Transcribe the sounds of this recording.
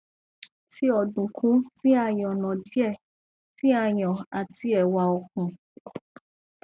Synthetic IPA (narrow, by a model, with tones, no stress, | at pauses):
ti˦ɔ˨dũ˨kʰũ˨˦ti˦a˦˧j̃ɔ̃˨nɔ̃˨di˦ɛ˦˨ | ti˦a˦˧j̃ɔ̃˨a˨ti˧ɛ˨wa˧ɔ˧kũ˨˧